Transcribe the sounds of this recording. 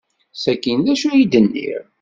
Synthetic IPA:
sækːind̪æʃujid̪ənːḭɾ

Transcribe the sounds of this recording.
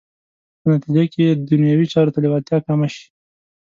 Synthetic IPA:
pənat̪id͡ʒakeed̪ʊnjɑwit͡ʃɑɾot̪alɪwat̪jɑkamaʃi̥

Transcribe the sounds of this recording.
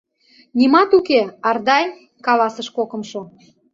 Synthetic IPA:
nimɑt̪ukeɑrd̪ɑj | kɑlɑsəʃkokə̆mʃo

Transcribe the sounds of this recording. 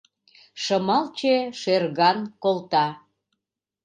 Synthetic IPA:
ʃəmɑlt͡ɕeʃerɣɑnkolt̪ɑ

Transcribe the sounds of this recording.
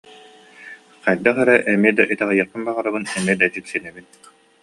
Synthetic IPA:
qajɾd̪aχɛɾɛʔɛmiɛd̪aʔit̪ɛʁajɯɯnbaʁaɾabɯnɛmiɛd̪ad͡ʑik̪sinɛbin

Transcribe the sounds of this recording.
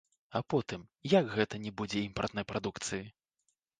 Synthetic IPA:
ɐpɔt̪ɨmjaɡɣɛt̪ɐnʲɛbud͡zʲɛimpɐrt̪nɐjpɾad̪ukt̪sɨji

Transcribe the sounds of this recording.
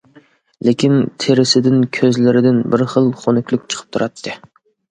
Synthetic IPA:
lekʲint̪ʰeɾɪsɪd̪ɪnkʲʰøzlɪɾɪd̪ɪnbɪɾχəlˠχonɨkʲlˠykʲt͡ʃʰə̥qʰə̥p̚t̪ʰuɾɑt̪ʰːɨ

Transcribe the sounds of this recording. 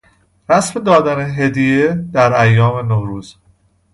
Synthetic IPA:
ɾæsmed̪ɒːd̪æneɦe̞d̪ijed̪̥æɾæjːɒːme̞nohɾuːz̥

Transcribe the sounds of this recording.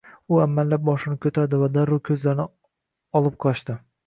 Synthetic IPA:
ʊamːalːap̚bɒʃɪnɪkʲʰɵt̪ʰad̪ɪvad̪aɾːʊkʲʰɵzlaɾnɪ | ɒlˠɪp̚qʰɒʃt̪ɪ

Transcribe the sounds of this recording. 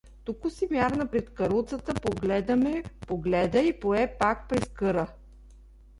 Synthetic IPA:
t̪ukʊsimʲjaɾnɐpɾɛt̪kɐɾulˠt̪sət̪əpoɡlɛd̪ɐmɛpoɡlɛd̪əipoɛpak̚pɾɛskɤɾə

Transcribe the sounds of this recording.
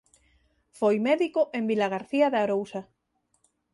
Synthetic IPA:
fojmɛðikoʔembilaɣ̞aɾθiaðaɾowsa

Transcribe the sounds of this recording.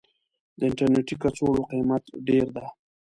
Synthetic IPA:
d̪əɪɳʈaɾneʈikat͡soloqimat̪ɖeɾd̪a

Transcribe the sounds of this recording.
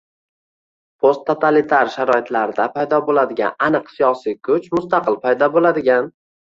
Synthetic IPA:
pʰost̪ʰːot̪ʰalit̪ʰaɾʃaɾɒɪt̪ʰlaɾɪd̪apʰajd̪ɒbolad̪ɪɡʲa̰nanɨqsijɒsikʰʊt͡ʃmʊst̪aqɨlˠpʰajd̪ɒbolad̪ɪɡʲan

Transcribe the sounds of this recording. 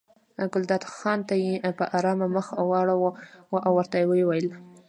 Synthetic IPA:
ɡʊld̪ɑd̪xɑnt̪ajepəʔaɾɑmaməxwɑɽawoʔawːəɾt̪ajewewajəl

